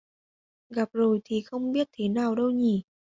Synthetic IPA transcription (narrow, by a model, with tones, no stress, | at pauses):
ɣa˨˩p̚zo˨˩jt̪ʰi˨˩xə˧wŋ͡mɓi˦˥ət̚t̪ʰe˨˦naː˨˩wɗə˧wɲi˨˩